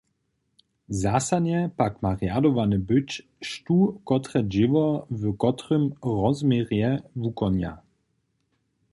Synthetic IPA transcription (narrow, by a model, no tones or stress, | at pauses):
zasadɲɛpakmaʁjadɔvanəbʏt͡ɕ | ʃtukɔtʁɛd͡ʒɪvɔvəkɔtrəmʁɔzmʲjɛʁjɛvukɔnja̰